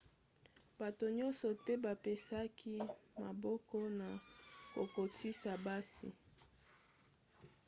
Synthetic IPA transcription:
ba˨to˨ɲɔ˦nsɔ˨tɛ˦ba˨pe˦sa˦kʰi˦ma˨bɔ˦kɔ˦na˨ko˨ko˨tʰi˦sa˨ba˦sḭ˨

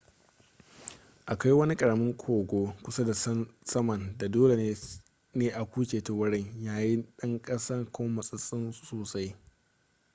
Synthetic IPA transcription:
ʔa˨ka˦jwɐ˦ni˦kʼɐ˨ɽɐ˨mɪ˦ŋkʷʰoː˨ɡʷoː˦kʷʊ˦sɐ˦da˨ssɐ˦mɐ˨nda˨doː˦le˨˦ | neː˦ʔa˨kʷuː˦kʲeː˨to˨wɐ˦ɽɪ˦ŋjaː˦ji˦ɗɐ˦ŋkʼɐ˦sɐ˦rkʷʰo˦mɐ˨sʼɪ˦sʼɪ˦nsoː˨sa˦j

